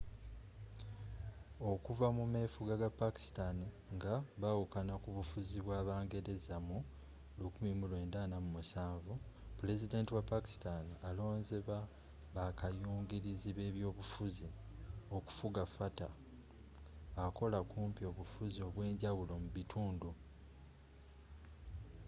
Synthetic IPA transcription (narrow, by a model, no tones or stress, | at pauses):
o̞kuvamume̞fuɡaɡapaki̥stani | ŋɡaβawukanakuβufuziβwaːβaːŋɡe̞ɾe̞zamu | lukumimulwe̞ːndaːnamumusaːɱvupule̞zide̞ːntiwapaki̥stanialo̞ːnze̞βa | βakajuːŋɡiɾiziβe̞ːβjo̞ːβufuzi | o̞ku̥fuɡafata | ko̞lakuːmpio̞βufuzio̞βwe̞ːɲɟawulo̞muβitʰuːndu